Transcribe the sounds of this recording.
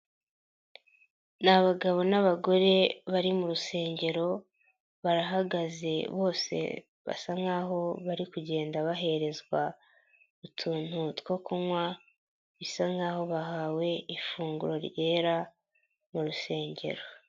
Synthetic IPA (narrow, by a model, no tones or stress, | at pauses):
naβaɡaβo̞naβaɡo̞ɾe̞βaɾimuɾuse̞ːɲɟe̞ɾo̞ | βaɾaɦaɡaze̞̰βo̞ːse̞̰ | βa̰saŋɡaːɦo̞βaɾikuɟe̞ːndaβaɦe̞ɾe̞zɡwa | βutʰuːn̥hutkokomwa | βisaŋɡaːho̞βaɦawe̞ifuːŋɡuɾo̞ɾɟe̞ːɾa | muɾuse̞ːɲɟe̞̰ɾo̞